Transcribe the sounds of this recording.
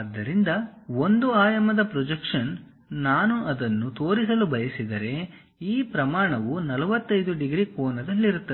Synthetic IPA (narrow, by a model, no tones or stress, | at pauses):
ad̪ːɐɾind̪ɐo̞nd̪uaːjɐmɐd̪ɐpɾɔd͡ʒekʂɐnː | aːnuʔɐd̪ɐnːut̪o̞ːɾisɐlubʱɐjɐsid̪ɐɾe̞ | iːpɾɐmaːɳɐʋunɐlɐʋɐt̪ːɐjd̪uɖiɡɾikɔːnɐd̪ɐlːiɾut̪ːɐ